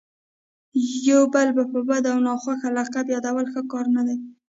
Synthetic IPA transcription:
jowbəlbapəbad̪awnɑxwaxalaqabjɑd̪awəlxəkɑɾnad̪aj

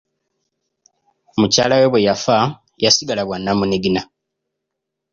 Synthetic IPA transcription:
muca̰ːlawe̞βwe̞jafa | jasiɡalaβwanːamuneɡina

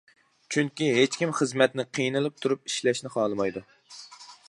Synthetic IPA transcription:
t͡ʃʰyŋkʲiɦet͡ʃkʲimχəzmɛt̪nɪqʰijnɨlˠɨp̚t̪ʰuɾup̚iʃlɛʃnɪχɑːlˠɨmɑjd̪u

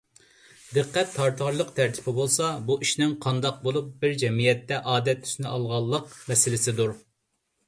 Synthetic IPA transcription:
d̪ɨqʰːɛt̪ʰːɑɾt̪ʰɑɾlˠəqt̪ʰæɾt̪ʰɪ̥pʰɪbolˠsɑbuʔiʃnɪŋqʰɑnd̪ɑq̚bolˠup̚bɪɾd͡ʒɛmijɛt̪ːɛʔɑːd̪ɛt̪ʰːy̥snɪʔɑlˠʁɑlˠːəqmɛsɪlɪsɪd̪uɾ

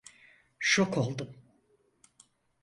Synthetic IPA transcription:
ʃokʰo̞lˠd̪um

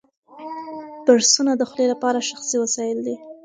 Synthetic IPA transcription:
b̥aɾsunad̪əxlelapɑɾaʃaxsiwasɑjɪld̪i

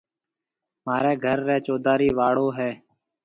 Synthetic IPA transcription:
maːɾeːɡʱəɾːɛːt͡ʃoːd̪aːɾiːʋaːɽoːɦɛː

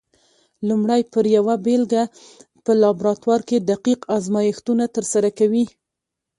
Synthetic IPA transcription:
lumɽajpəɾjawabelɡa | pəlɑbɾɑt̪wɑɾked̪aqiqɑzmɑjɪxt̪unat̪əɾsaɾakawi

